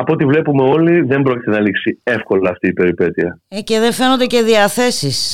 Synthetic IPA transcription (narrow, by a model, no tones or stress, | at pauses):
ɐpot̪ivle̞pume̞o̞liðe̞mbɾoci̥t̪e̞nɐliksie̞fko̞lɐːft̪iːpe̞ɾipe̞t̪iɐece̞ðe̞fe̞nond̪eceðiɐθe̞sis